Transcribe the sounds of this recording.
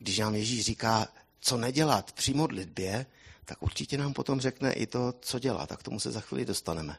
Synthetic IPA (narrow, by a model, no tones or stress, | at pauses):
ɡdɪʃnaːmjɛʒiːʃriːkaː | t͡so̞nɛɟɛlat̪pr̝̥ɪmo̞dlɪd̚bjɛt̪akʔṵɾt͡ʃɪcɛnaːmpo̞t̪o̞mrɛknɛ̰ʔɪ̰t̪o̞t͡so̞ɟɛla̰t̪a̰kt̪o̞musɛzaxvḭːlɪdost̪anɛmɛ